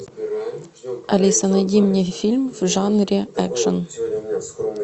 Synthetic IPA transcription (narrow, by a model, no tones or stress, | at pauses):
ɐlʲisɐnɐnʲimnʲifʲilʲmvʐɑnɾʲeækʂən